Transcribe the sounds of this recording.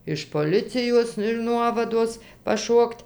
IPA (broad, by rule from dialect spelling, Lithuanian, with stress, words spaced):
ɪʃ poːˈlʲɪt͡sʲɪjoːs ɪr ˈnuɔʋɐdoːs pɐˈʃoːktʲ